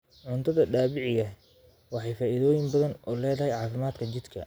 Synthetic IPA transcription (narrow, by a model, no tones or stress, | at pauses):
ʕʊnt̪ʰɐðɐɖaːβɪʕɪɣɐ | wɑħɑjfaːʔiðɔːjɪmbɐðɐnɔːlɛːðɐɦɛjʕɑːfɪmaːd̪kʰɐt͡ʃɪd̪kʰɐ̰